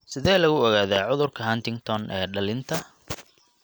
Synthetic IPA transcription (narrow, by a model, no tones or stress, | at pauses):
sɪðɛːlɐɣʊɔɣaːðaːʕʊðʊrkʰɐɦɐnt̪ɪŋt̪ʰɔnʔɛ̰ːɖɐlɪnt̪ʰɐ